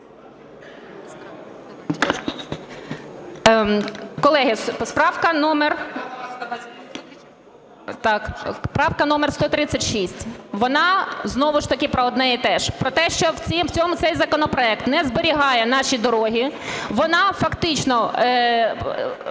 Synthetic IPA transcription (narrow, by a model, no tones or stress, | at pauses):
kɔlˠɛɦɪspɾɑwkɐnɔmer | t̪ɑkpɾɑwkɐnɔmɛrst̪ɔt̪ɾɪt͡sʲːɐtʲʃisʲtʲʋɔnɑznɔʋʊʃt̪ɐkʲɪpɾɔɔd̪nɛit̪ɛʃpɾɔt̪ɛʃt͡ʃɔwʲiwt͡sʲɔmʊt̪sɛjzɐkɔnɔpɾɔɛk̚t̪nɛzbeɾʲiɦɑjɛnɑʃʲid̪ɔɾɔɦʲiʋɔnɑfɐkt̪ɪt͡ʃnɔ